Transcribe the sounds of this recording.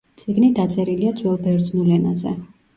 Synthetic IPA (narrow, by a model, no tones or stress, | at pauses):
t̪sʼiɡnid̪at̪sʼɛɾiliad̪zwɛlˠbɛɾd̪znɛlɛnazɛ̰